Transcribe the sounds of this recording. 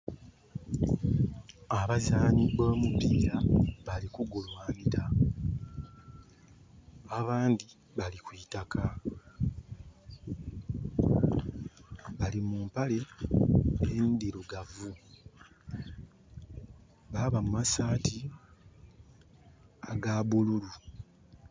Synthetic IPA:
aβazaːniboːmupiːɾaβalikuɡulwaːniɾa | aβaːndi | βalikwiːtakʰa | βalimumpale̞ | endiɾuɡavu | βaβamumasaːtʰi | aɡabululu

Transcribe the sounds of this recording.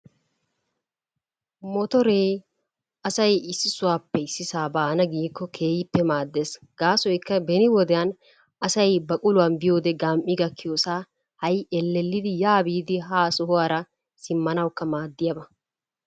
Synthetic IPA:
mɔt̪ɔɾeː | ʔɐsɐjɪsːɪsʊwaːpːɛɪsːɪsaːbaːnɐɡiːkːɔkʰe̞ːjɪpːɛmaːd̪ːe̞ːs | ɡ̥aːsɔjkːɐbɛnɪwɔd̪ɛjan | ɐsɐjbɐkʼʊlʊwaːnbɪjo̞ːd̪ɛɡaːmʔːɪɡɐkːɪjoːsaː | hɐjɛlːɛlːɪd̪ɪjaːbiːd̪ɪɦaːsʊɦʊwaːɾɐ | sɪmːɐnɐwkːɐmaːd̪ːɪjɐbɐ

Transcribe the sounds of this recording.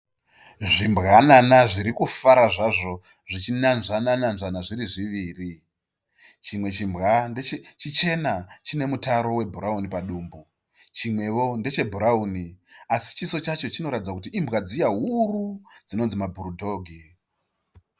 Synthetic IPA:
ʐimbɣananaʐiɾikufaɾaʐaʐo̞ | ʐit͡ʃinanʐanananʐanaʐiɾiʐiʋiːri | t͡ʃimwe̞t͡ʃimbɣant͡ʃit͡ʃe̞nat͡ʃine̞mutaɾo̞we̞bʱuɾaunipaɗuːmbu | t͡ʃimwe̞ʋo̞nde̞t͡ʃe̞bʱuɾauniasi̥t͡ʃiso̞t͡ʃat͡ʃo̞t͡ʃino̞ɾatid͡zakutiʔimbɣad͡zijaɦurud͡zino̞nzimabʱuɾudʱo̞ːɡʱi

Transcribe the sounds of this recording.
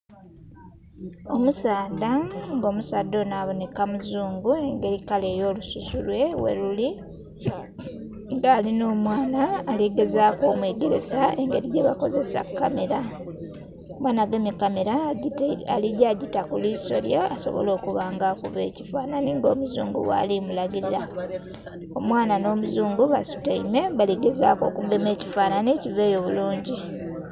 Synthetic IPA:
o̞musaːdaŋɡo̞ːmusaːdːo̞naːβo̞ne̞kamuzuːŋɡue̞ŋɡe̞ɾikale̞ːjo̞ːlususulwe̞wḛɾuli | ŋɡaːlino̞ːmwaːnaːleɡe̞zaːko̞ːmweːɡe̞ɾe̞saeŋɡe̞ɾiɟeβako̞ze̞sa̰kːa̰meɾa | omwaːnaɡemikame̞ɾa | aliɟaɟitakuliso̰lḭjaaso̞̰βo̰lo̞ːkuβaːŋɡakṵβe̞̰ːcifaːnaniŋɡoːmuzṵːŋɡṵwa̰limulaɡiɾiɾa | o̞mwaːnano̞ːmuzuːŋɡuβasu̥taime̞βaleɡe̞za̰ːko̞ːkubeme̞ːci̥faːnanecive̞ːjo̞βuluːɲɟi

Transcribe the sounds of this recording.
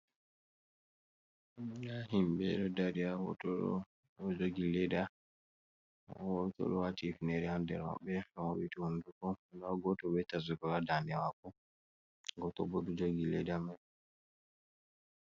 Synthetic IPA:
nahimbɛ̰ɾɔdaɾijawɔ̰tɔɔ̰ | d͡ʒoɡilɛda | wɔtɔ̰ɗɔwatifinɛɾɛhandɛ̰la̰ɓɛwawitihundukɔnaɡɔtɔbɛtas̬ukɔladanɛwakɔ | ɡɔtɔ̰bɔdɔd͡ʒoɡilɛdama

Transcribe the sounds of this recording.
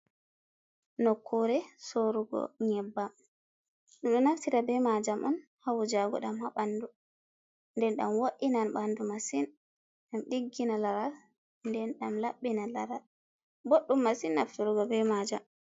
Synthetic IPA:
nɔkʰːuɾɛsoɾuɡɔ̰ɲɛbːam | ɗɔɗɔnaftiɾabɛmad͡ʒamʔɔn | hawd͡ʒaɡɔ̰ɗamhaɓandu | ndɛnɗamwoʔːinanɓandumasin | ɗamɗiɡːinalaɾal | ndɛnɗamlaɓːinalaɾal | boɗːumːasinːaftɔɾuɡɔbɛmad͡ʒam

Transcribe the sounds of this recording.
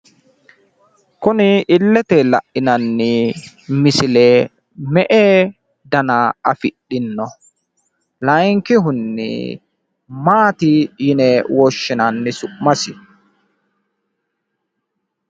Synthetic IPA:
kʊnɪɪlːɛt̪ɛlɐ̰ʔːɪnɐnːɪ | mɪsɪleː | mɛʔeː | d̪ɐnaɐfɪɗɪnːɔ | lɐjŋkɪɦʊnːɪ̰ | maːt̪ɪjɪnɛwoʃːɪnɐnːɪsʊʔmɐsɪ

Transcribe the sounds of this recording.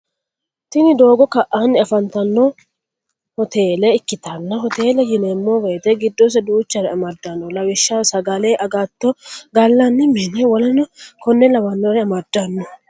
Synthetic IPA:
t̪ɪnɪd̪o̞ːɡɔkɐʔanːɪɐfɐnt̪ɐnːɔ | hɔt̪eːlɛɪkːɪt̪ɐnːɐɦɔt̪eːlɛjɪneːmːoːwɛjt̪ɛɡɪd̪ːos̬ɐd̪uːt͡ʃːɐɾɛɐmɐd̪ːɐnːɔlɐwɪʃːasɐɡɐleːʔɐɡat̪ːɔɡɐlːanːɪmeːnɛwɔlɐnɐkɔnːɛlɐwɐnːoɾɛɐmɐd̪ːɐnːɔ

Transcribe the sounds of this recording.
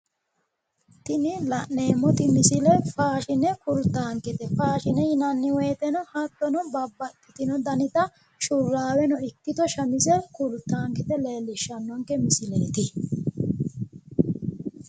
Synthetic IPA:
t̪ɪnɪlɐʔne̞ːmɔt̪ɪmɪsɪlɛfaːʃɪnɛkʊɾt̪ːaːŋkɪt̪ɛfaːʃɪnɛjɪnɐnːɪweːt̪ɛnɔhɐt̪ːɔnɔbɐbːɐt̪ːɪ̥t̪ɪnɔd̪ɐnɪt̪ɐ | ʃʊrːaːwɛnɔɪkːɪt̪ɔʃɐmɪzɛkʊɾt̪ːaːŋkɪt̪ɛleːlːɪʃːɐnːɔŋkɛmɪsɪleːt̪ɪ

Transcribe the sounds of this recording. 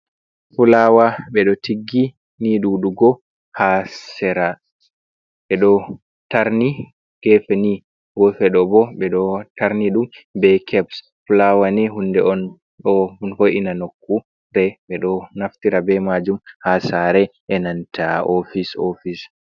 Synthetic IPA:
fulawaɓɛɗɔtiɡːi | niɗuɗuɡɔ | hassɛɾa | ɓɛɗɔ | taɾni | ɡ̥ɛfɛni | ɡɔfɛɗɔbɔɓɛɗɔtaɾniɗumbɛkʰɛbs | fulawaniɦundɛɔn | ɗɔfojʔinanokːu | ɾɛɓɛɗɔnaftiɾabɛmad͡ʒumhasaɾɛʔɛnantʰaofisofis

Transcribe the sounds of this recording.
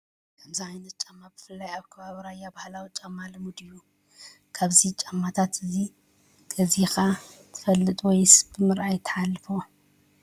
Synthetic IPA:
kʰɐmziʕajnɐt̪̚t͡ʃʼamːab̥ɨfɨlːajaβkʰɐβaβɾajːabahlawit͡ʃʼamːalɨmud̪ɨjːu | kʰaβzit͡ʃʼamːat̪ʰat̪ʰɨzi | ɡ̥ʰɐzixat̪ʰɨ̥fɐlːɨt̪ʼwɔjsbɨmɨɾʔajt̪ʰɐ̥ħalːɨfo

